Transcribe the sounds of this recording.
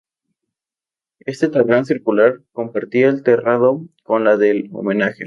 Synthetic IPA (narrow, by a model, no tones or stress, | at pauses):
e̞st̪et̪arans̬iɾkulaɾko̞mpaɾt̪iaelt̪eraðoko̞nlaðe̞lo̰mẽ̞naxe̞̰